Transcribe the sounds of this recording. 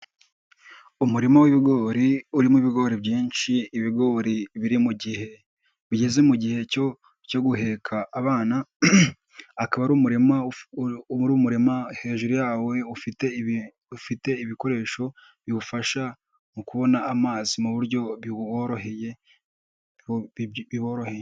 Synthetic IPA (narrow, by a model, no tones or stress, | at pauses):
umuɾimowiβiɡo̞ːɾiuɾimuβiɡo̞ɾibjiːnʃiːβiɡo̞ːɾiβiɾimuɟihe̞ | βiɟe̞zemuɟihe̞o | co̞ɡuɦe̞kʰaʔːβaːna | kaβaɾuːmuɾima | ɾuːmuɾemahe̞ːʒuɾujaːwe̞ufite | ufite̞iβiko̞ɾe̞ːʃo̞ | βiβufaʃa | mukuβo̞naːmaːzimuβuɾjo̞βioɾoheje | iβoɾo̞heje